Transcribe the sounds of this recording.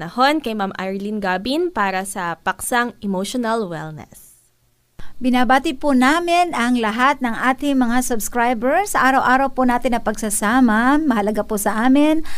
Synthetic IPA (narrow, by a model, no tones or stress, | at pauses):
nɐho̞nkɐjmamʔajɹlinɡabinpaːɾɐsɐpɐksɐŋɛmoʃonɐlwɛ̰lnɛ̰s | bɪnabaːt̪ɪpʊnaːmɪnɐŋlɐɦat̪̚nɐŋʔaːt̪ɪŋmɐŋasʊbskɹajbɛɹsɐʔaːɾɐwʔaːɾɐwpʊnaːt̪ɪnːɐpɐɡsɐsaːmɐmɐhɐlɐɡapʊsɐʔaːmɪn